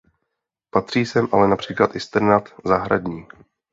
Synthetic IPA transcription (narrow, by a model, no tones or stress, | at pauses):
pat̪r̝̥iːsɛmʔalɛnapr̝̥iːklat̪ʔɪst̪ɛɾnat̪zaɦɾa̰dɲiː